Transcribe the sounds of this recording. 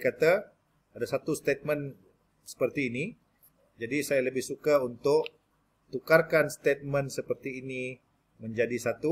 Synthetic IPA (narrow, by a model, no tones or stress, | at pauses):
kat̪a | adasat̪ust̪et̪̚mən | sə̥pərt̪iːni | d͡ʒadisajaləbɪhsukaunt̪ʊʔ | t̪ukarkanst̪et̪̚mə̃nsəpərt̪iːni | mə̃ɲd͡ʒadisat̪u